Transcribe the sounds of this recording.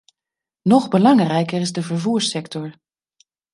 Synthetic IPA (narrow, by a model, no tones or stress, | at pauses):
nɔχbəlɑŋrɛjkərɪzdəvəɹvuːɹsɛktɔɹ